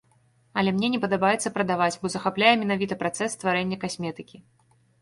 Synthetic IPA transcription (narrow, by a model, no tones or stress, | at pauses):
ɐlʲɛmnʲɛnʲɛpɐd̪abajɛt̪sːɐpɾɐd̪avat͡sʲbɔzɐxaplʲajɛmʲɛnavʲit̪ɐpɾat̪sɛsːt̪vaɾɛnʲːɐkasʲmʲɛt̪ɨkʲi